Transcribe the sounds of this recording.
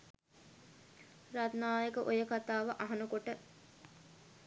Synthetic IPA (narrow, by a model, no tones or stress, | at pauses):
rat̪naːjəkəʔojəkat̪aːʋɐʔɐɦɐnukoʈə